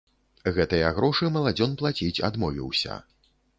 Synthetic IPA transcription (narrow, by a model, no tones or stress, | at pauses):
ɣɛt̪ɨjɐɣɾɔʂɨmɐlˠad͡zʲɔnplˠat͡sʲit͡sʲa̰d̪mɔvʲḭwsʲɐ̰